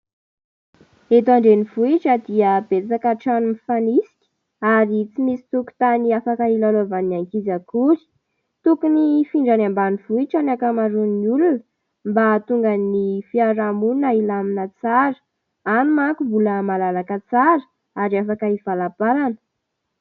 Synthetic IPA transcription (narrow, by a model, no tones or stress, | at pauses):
et̪aɳɖ͡ʐenivuiʈ͡ʂəd̪iəb̥et͡sakaʈ͡ʂanumifanisi̥kʲi̥ | aɾit͡simisi̥t̪uku̥t̪aniafakəilalovaniaŋkizakuɾi̥ | t̪ukunifiɳɖ͡ʐanambaniv̥uiʈ͡ʂanakamaɾuniulunə | mbat̪uŋɡənifiaɾamunailaminət͡saɾə̥ | anumaŋkuvuləmalalakət͡saɾə̥ | aɾiafakəivalapalanə̥